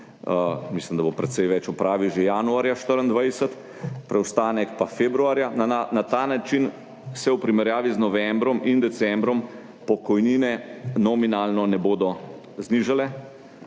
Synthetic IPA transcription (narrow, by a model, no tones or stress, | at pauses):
mislimd̪abopɾɛt̪sɛjʋɛt͡ʃɔpɾaːʋiwʒejanuaːɾjaʃt̪əɾənd̪ʋajsət̪ | pɾɛwst̪aːnɛkpafeːbɾuaːɾjanaanat̪anat͡ʃin | sɛwpɾimɛɾjaːʋiznɔʋɛmbɾɔmind̪ɛt̪sɛmbɾɔm | pɔkɔjniːnɛnɔminaːlnɔnɛboːd̪ɔ | zniʒalɛ